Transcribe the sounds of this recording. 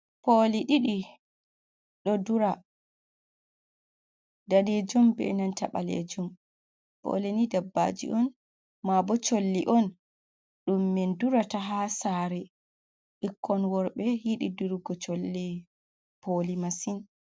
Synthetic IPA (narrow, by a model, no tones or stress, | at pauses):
poliɗiɗi | ɗɔduɾa | daɗed͡ʒumbɛ̰nantaɓa̰lḛd͡ʒum | pɔ̰lenidabːa̰d͡ʒḭʔɔn | mabɔt͡ʃolːiʔɔn | ɗumːɛnduɾataɦasaɾɛ | ʔikʰːɔnwɔɾɓɛjiɗiduɾɡɔt͡ʃolːi | pʰolimasin